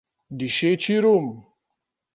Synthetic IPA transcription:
d̪iʃet͡ʃiɾum

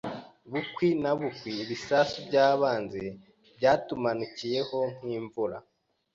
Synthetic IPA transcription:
βukwinaβukwiːβisasubɟaːβaːnze̞ | bɟaːtumanucije̞ho̞ŋ̥hiːɱvuɾa

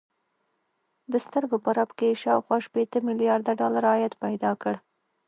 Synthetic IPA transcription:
d̪əst̪əɾɡopəɾabkeʃɑwxwɑʃpet̪əmɪlijɑɾd̪aɖɑlaɾɑjat̪pajd̪ɑkəɽ

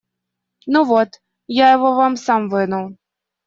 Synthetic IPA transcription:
nuvɔt̪ | jajɛvɔvamsamvɨnɐwˠ

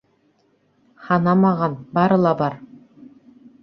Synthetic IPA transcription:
χɑnɑmɑʁɑnbɑɾɤ̆lˠɑbɑɾ

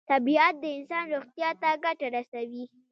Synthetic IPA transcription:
t̪abiat̪̚d̪əɪnsɑnɾoxt̪jɑt̪aɡaʈaɾasawi

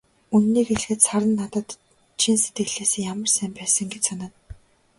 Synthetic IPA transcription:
unːiːkeɮ̆xɘ̆t̪saɾə̆nːat̪ə̆t̪ | t͡ɕʰinset̪̚ɡɘ̆ɣɮeːseːjamə̆rsæːmpæːsə̆ŋɡet͡ɕsanaːn

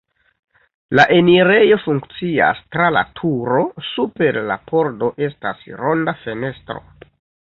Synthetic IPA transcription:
laʔeniɾe̞jo̞fuŋkt͡sia̰stɾala̰tʰuɾo̞supe̞ɾla̰pʰo̞ɾdo̞ʔe̞stasɾo̞ndafe̞ne̞stɾo̞̰

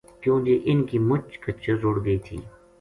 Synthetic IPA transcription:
kjõːɡeʔɪnkimʊt͡ʃkɐt͡ʃezoːɽɡəiːt̪ʰḭː

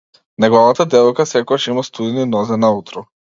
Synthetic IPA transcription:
nɛɡɔvat̪ad̪ɛvɔjkasɛkɔɡat͡ʃimast̪ud̪ɛninɔzɛnaut̪ɾɔ

